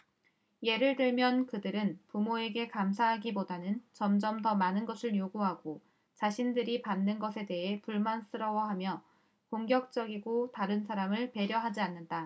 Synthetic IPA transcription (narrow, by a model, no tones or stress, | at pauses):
je̞ɾɯɭdɯɭmjʌnkɯdɯɾɯnpumoe̞ɡe̞kams̬ʰaɦaɡibodanɯnt͡ɕʌmd͡ʑʌmtʌmanɯnɡʌsʰɯɭjoɡuɦaɡ̥o | t͡ɕaɕʰindɯɾipanːɯnɡʌsʰe̞de̞ɦe̞puɭmans͈ɯɾʌwʌɦamjʌ | koŋɡjʌk̚t͡ɕ͈ʌɡiɡotaɾɯnsʰaɾamɯɭpe̞ɾjʌɦad͡ʑianːɯnda